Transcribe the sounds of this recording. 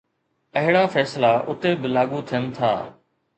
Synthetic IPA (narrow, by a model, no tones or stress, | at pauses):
ɐɦɪɽaːfɛːslaːʔʊt̪ebɪlaːɠuːt̪ʰijənt̪ʰa̰ː